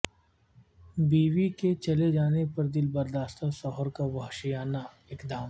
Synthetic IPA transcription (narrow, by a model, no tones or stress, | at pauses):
biːʋiket͡ʃɐled͡ʒaːnepɐɾd̪ɪlbɐɾd̪aːst̪ʰasɔɦəɾkaʋɐɦʃijaːna | ɪkd̪aːm